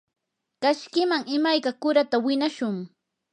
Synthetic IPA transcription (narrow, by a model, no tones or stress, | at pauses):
kaʃkɪmaŋɪmajkakʊɾat̪awɪnaʃʊŋ